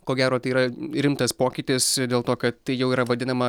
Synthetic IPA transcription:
koːɡʲæːɾoːt̪ɐɪiːɾɐɾʲɪmt̪ɐspoːkʲɪt̪ʲɪsd̪ʲeːlˠt̪oːkɐt̪t̪ɐɪjɛʊiːɾɐʋɐd̪ʲɪnɐmɐ

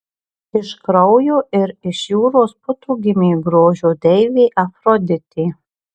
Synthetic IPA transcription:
ɪʃkɾɔʊjoːʔɪɾɪʃjuːɾoːspʊt̪uːɡʲɪmʲiːɡɾoːʒʲoːd̪ʲɛɪʋʲeːʔɐfɾɔd̪ʲɪt̪ʲiː

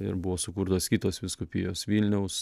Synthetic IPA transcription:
ɪ̰ɾbʊʋoːsʊkuːɾt̪oːskʲit̪oːsʋʲɪskʊpʲiːjoːsʋʲiːlʲnʲɛʊs

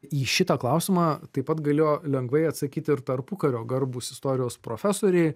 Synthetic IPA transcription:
iːʃʲɪt̪ɐklˠɐʊsʲɪmɑːt̪ɐɪpɐt̪ɡɐlʲeːjoːlʲɛŋɡʋɐɪɐt̪sɐkʲiːt̪ʲɪɾt̪ɐɾpʊkɐɾʲoːɡɐrbuːsɪst̪oːɾʲɪjoːspɾoːfʲæsoːɾʲɛɪ

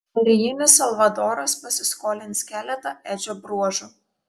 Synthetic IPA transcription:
ʊɾʲɪjɪnʲɪsɐlˠʋɐd̪oːɾɐspɐsʲɪskoːlʲɪntskʲæːlʲɛt̪ɐʔæd͡ʒʲoːbɾuɔʒʊ

